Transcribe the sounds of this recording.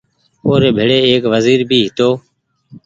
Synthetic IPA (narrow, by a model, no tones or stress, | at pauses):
oːɾeːbʱɪɽeːeːkʋəziːɾbʱiːɦɪt̪oː